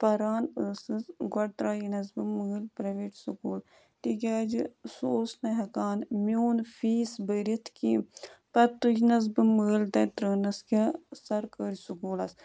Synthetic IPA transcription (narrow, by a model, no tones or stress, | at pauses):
pɐɾaːnəsɨsɡɐɽt̪ɾaːjinɐsbɨməːlpɾɐʋeːʈsukuːl | t̪ik̬ʲaːd͡ʒisoːsnɐɦɐkaːnmʲjoːnfiːsbəɾit̪ʰkipɐt̪ːud͡ʒinɐs̬bɨməːlt̪ɐt̪ɾəːnɐskʲasɐɾkəːɾisukuːlɐs